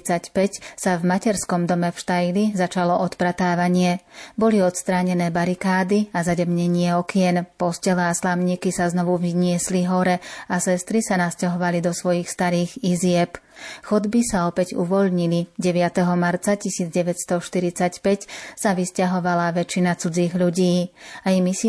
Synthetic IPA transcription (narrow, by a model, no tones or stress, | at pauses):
t͡sacpɛcsavmacɛɾskɔmd̪ɔmɛfʃt̪ajlizat͡ʃalɔʔɔt̪pɾat̪aːʋaɲɪɛbɔliɔt̪st̪ɾaːɲɛnɛːbaɾikaːd̪iazaɟɛmɲɛɲɪɛɔkɪɛnpɔscɛlɛaslamɲiːkisaznɔʋuvɲɪɛsliɦɔɾɛasɛst̪ɾisanascaɦɔʋalid̪ɔsʋɔjixst̪aɾiːɣizɪɛp | xɔd̪bisaɔpɛɟṵʋɔʎɲiliɟɛʋɪat̪ɛɦɔmaɾt͡sacisiːd͡zɟɛʋɛcst̪ɔʃt̪iɾit͡sacpɛcsaʋiscaɦɔʋalaʋɛt͡ʃinat͡sud͡ziːɣʎuɟiːaimis